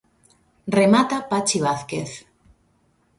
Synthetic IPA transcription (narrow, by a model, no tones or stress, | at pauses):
remat̪apat͡ʃiβ̞aθkeθ